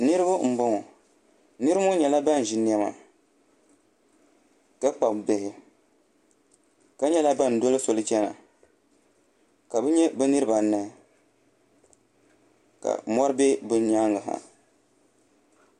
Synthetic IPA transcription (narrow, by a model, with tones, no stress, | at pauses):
nɨ˦ɾɨ˦bʊ˦m̩˨bʊ˦ŋɔ˨ | nɨ˦ɾɨ˦mɔ˦ɲɛ˨la˦ba˦n˨ʒɪ˨ni˦ɛ˦ma̰˨ | ka˦k͡pa˨bbe˨hɪ˨ | ka˦ɲɛ˦la˦ba˦n˨do˦lɨ˦so˨lɨ˦t͡ʃɛ˦na̰˨ | ka˨bɛ˦ɲɛ˦bɛ˦nɨ˦ɾɨ˦ba˨˦na˦˨ | ka̰˨mɔ˦ɾɨ˦be˦bɨ˦ɲa˦ŋɡɨ˨ɦa̰˨